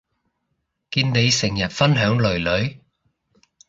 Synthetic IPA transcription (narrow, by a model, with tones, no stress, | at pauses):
kiː˧nne˨˧jsɪ˨˩ŋjɐ˨˩t̚fɐ˥nɦœː˨˥ŋlɵ˨˩ɥlɵ˨˥ɥ